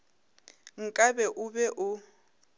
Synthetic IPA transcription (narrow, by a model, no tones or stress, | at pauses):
ŋ̩kʼabɛʔʊbɛʔʊ